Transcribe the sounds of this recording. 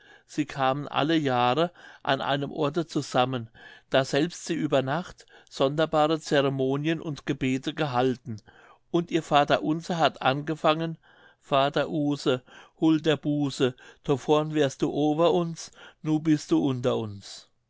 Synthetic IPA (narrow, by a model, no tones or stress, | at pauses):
z̥iːkʰaːmənʔa̰ləjaːʁəʔa̰nʔa̰ɪnəmʔɔɐtət͡suz̥amənd̥aːzɛlpstz̥iːʔyːbɐnaχtz̥ɔndɐbaːʁət͡seʁemoːnjənʔʊ̰ntɡ̥əbeːtʰəɡəɦaltn̩ | ʔʊntʔiːɐfaːtɐʔʊnzəɦatʔa̰nɡəfaŋən | faːtɐʔuːsəhoːldeːɐbuːsəd̥ʰofɔɐnvɛːɐst̚d̥uːʔoːbɐʔʊnsnuːnbɪst̚d̥uːʔʊntɐʊns